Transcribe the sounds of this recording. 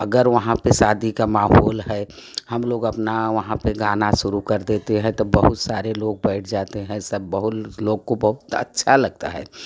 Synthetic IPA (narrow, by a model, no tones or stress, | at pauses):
əɡəɾʋəɦãpesaːd̪ikamaːɦɔːlɦɛ | hɐmloːɡɐpnaʋɐɦãpeɡaːnaʃʊɾukɐɾd̪eːt̪eɦɛ̃t̪obəɦʊt̪saːɾeloːɡ̚bɛɪʈʰd͡ʒaːt̪eɦɛ̃səb̚ːəɦʊloːɡkobəɦʊt̪ə̰tːʃʰalɐɡ̚t̪a̰ɦɛ̰ː